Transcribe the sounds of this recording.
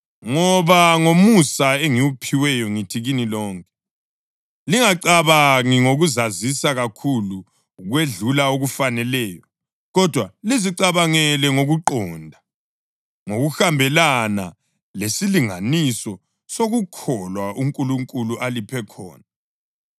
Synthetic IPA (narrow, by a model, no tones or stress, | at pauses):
ŋɔβaŋomusaeŋiwupʰiwɛjɔŋitʰiɣinilɔːŋkʼɛ̥ | liŋaǀaβaŋiŋoɣuzazisaɣakʰulu | ɣweɮulaoɣufanɛlɛːjɔ | ɣɔd̥ʱwaliziǀaβaŋɛlɛŋoɣuǃɔːndʱa | ŋoɣuxambʱɛlana̰ | lesiliŋanisɔ | soɣukʰɔlwauŋkʼuluŋkʼuluʔalipʰɛkʰɔ̰ːna